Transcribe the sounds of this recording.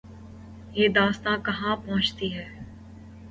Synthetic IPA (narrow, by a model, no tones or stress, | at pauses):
jeːd̪aːst̪ãkɐɦãpɔ̃ɦʊ̃t͡ʃt̪iɦɛː